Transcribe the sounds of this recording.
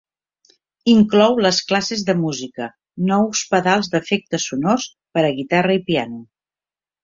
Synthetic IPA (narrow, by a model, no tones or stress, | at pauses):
iŋklɔwləsklasezðəmuzikə | nɔwspəðalˠzd̪əfek̚t̪əsunos | pəɾəɣit̪arəipianu